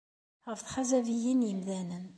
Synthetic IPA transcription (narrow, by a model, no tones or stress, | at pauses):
əfθħazævijinjəmðænən